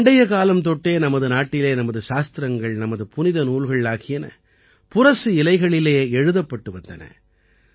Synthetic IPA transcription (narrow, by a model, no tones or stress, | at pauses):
ɳɖɐjɐkaːlɐmt̪ɔʈːeːnɐmɐðɯnaːʈːɪleːnɐmɐðɯʃaːst̪ɪɾɐŋɡɐɭnɐmɐðɯpʊnɪðɐnuːɭɣɐɭaːɣɪjɐnɐ̰ | pʊrɐsɯɪlɐɪɣɐɭɪleːɛɻɯðɐpːɐʈːɯʋɐnd̪ɐnɐ̰